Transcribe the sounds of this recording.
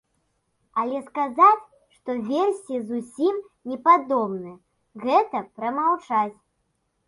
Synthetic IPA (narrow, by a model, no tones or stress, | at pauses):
alʲɛskazat͡sʲ | ʂt̪ɔvʲersʲizusʲim | nʲɛpad̪ɔbnɨjɐ | ɣɛt̪ɐpɾɐmawt͡ʂat͡sʲ